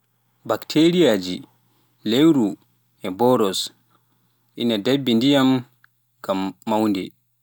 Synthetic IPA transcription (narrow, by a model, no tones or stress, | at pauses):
baktʰeɾijaːd͡ʒi | lewɾu | ʔɛbɔɾɔs | ʔḭnadebːindijam | ɡ̥amːawndɛ